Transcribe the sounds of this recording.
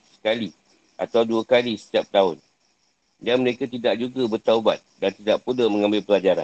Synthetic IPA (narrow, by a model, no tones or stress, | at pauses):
sə̥kali | ʔa̰t̪awduakalisə̥t̪iap̚t̪aʊn | danməɾekat̪idaʔ̚d͡ʒuɡabərt̪auba̰t̪̚dant̪idaʔpuləmə̃ŋãmbɪlpəlad͡ʒaɾa̰n